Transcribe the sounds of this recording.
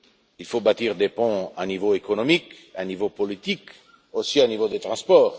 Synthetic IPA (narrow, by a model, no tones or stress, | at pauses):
ilfobat̪iʁd̪epɔ̃anivoekɔnɔmik | anivopɔlit̪ik | osianivod̪et̪χɑ̃spɔːʁ